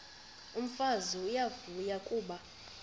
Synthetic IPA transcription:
um̩fazujavujakʼuːɓa

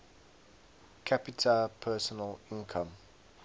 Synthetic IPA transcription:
kʰapitʰəpʰɛːˑsɔnəlɪ̃nkʰə̃m

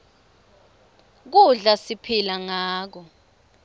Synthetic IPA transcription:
k̬uɮasipʰilaŋaːk̬ɔ

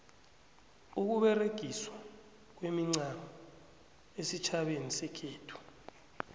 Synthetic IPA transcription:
uk̬uɓɛreɡ̥ʱiswa | k̬wemiŋ͡ǀamɔ | esit͡ʃʰaɓenisɛkʰeːtʰu̥

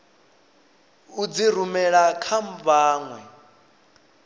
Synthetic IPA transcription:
ud͡ziɾumɛɺakʰam̩vaːŋwɛ

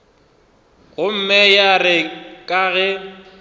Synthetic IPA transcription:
ɣʊm̩mɛjarɪkʼaɣɛ

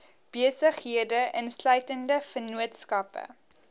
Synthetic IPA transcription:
b̥iəsəχɦiədəʔənslœɥtəndəfənuətskɐpə̰

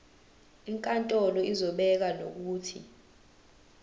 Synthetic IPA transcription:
iŋkʼantʼɔlɔizɔɓɛk̬ano̰k̬uːtʰḭ

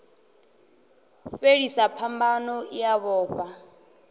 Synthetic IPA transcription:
feɺisapʰambanɔʔijaβɔːɸa

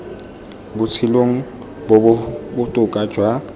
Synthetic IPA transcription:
bʊt͡sʰɪloŋ̩ | bobʊtʼʊkʼḁd͡ʒ̥ʱwa

